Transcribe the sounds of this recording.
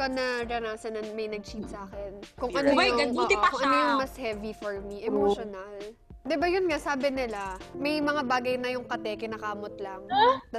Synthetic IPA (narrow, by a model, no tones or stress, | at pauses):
ɐnɐɾɐnaːsɐnɐnmɐjnɐɡ̚t͡ʃiːt̪̚sɐʔaːkɛnkʊŋʔɐnojʊɐŋːkoŋʔɐnojʊnmɐshɛvifɔɹmiʔɛmoʃonɐl | d̪ɪbajʊnŋasaːbɪnɪlamɐjmɐŋabaːɡɐjnɐjʊŋkɐt̪ɛkɐnɐkaːmot̪̚lɐŋd̪